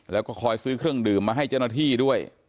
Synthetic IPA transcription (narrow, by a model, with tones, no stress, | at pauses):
lɛː˦˥wkɔː˥˩kʰɔː˧jsɯː˦˥kʰɾɯ˥˩əŋdɯː˨˩mːaː˧ɦa˥˩jt͡ɕa˥˩wnaː˥˧t̪ʰiː˥˩du˥˩əj